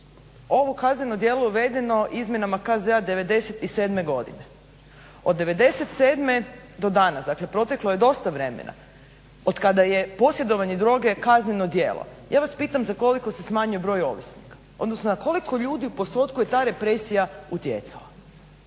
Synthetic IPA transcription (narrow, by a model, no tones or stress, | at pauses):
o̞ʋokazɲʲenod̪je̞ːlo̞juʋe̞d̪e̞no̞ʔizmje̞namakazead̪e̞ʋe̞d̪e̞set̪ise̞ːd̪me̞ɡo̞d̪ḭne | od̪ːe̞ʋe̞d̪e̞se̞t̪seːd̪me̞d̪o̞d̪aːnasd̪akle̞pɾo̞t̪e̞klo̞je̞d̪o̞st̪aʋɾe̞mḛnʔa̰ | od̪kad̪aje̞po̞sje̞d̪o̞ʋaɲed̪ɾo̞ːɡe̞kazɲeno̞d̪jeːlˠo̰jaːʋaspiːt̪amzako̞liko̞sesmaːɲujebɾo̞ːjo̞ʋisnikḁ | od̪no̞snozako̞liko̞ʎuːd̪iupo̞st̪o̞ːt̪kuje̞t̪aːɾe̞pɾesijaut̪jḛt̪sa̰la